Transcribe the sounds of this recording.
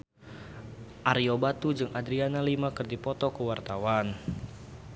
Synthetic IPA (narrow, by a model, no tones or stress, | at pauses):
ʔaɾiobat̪ud͡ʒɨŋadɾianalimakɨrdipɔt̪ɔkəwart̪awan